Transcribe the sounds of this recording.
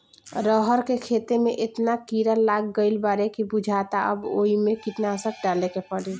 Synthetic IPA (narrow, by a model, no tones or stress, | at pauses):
ɾəɦəɾkekʰet̪emeʔet̪nakiɾəlːaɡːəɪlbaɾekibud͡ʒʱat̪aʔə̰bo̰imekiʈ̪nasək̚ɖalekepəɽe